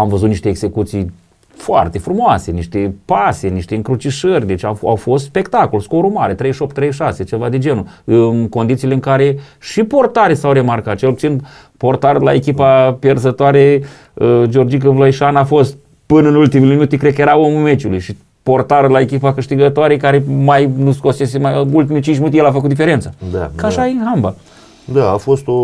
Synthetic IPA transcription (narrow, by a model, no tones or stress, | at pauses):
amvəzut̪niʃt̪e̞ːɡz̥e̞kut̪sij | foa̰rt̪e̞fɾumoase̞niʃt̪e̞paseniʃt̪e̞ɨŋkɾut͡ʃiʃərʲd̪e̞t͡ʃʲaa̰wfo̞st̪spe̞kt̪ako̞lsko̞ɾumaɾet̪ɾe̞jʃop̚t̪ːɾe̞jʃase̞t͡ʃe̞vad̪ed͡ʒe̞nu | ɨnko̞nd̪it̪sileɨŋkaɾe̞ | ʃipo̞rt̪aɾesawɾe̞markat̪̚t͡ʃe̞lput̪sin | po̞rt̪aɾla̰ekʲipapjerzət̪oaɾe | d͡ʒo̞rd͡ʒik̬əvlojʃanafo̞st̪̚ | pɨnəɨnult̪imeleminut̪ikɾed̪̚kəje̞ɾao̞mumet͡ʃʲulujʃi | po̞rt̪aɾlae̞kʲipakɨʃt̪iɡət̪oaɾekaɾemajnusko̞sesemajult̪imelt͡ʃint͡ʃʲmʲinut̪ʲjelafəkut̪d̪ife̞ɾet̪sad̪a̰kaʃainɦamba | d̪aafo̞st̪o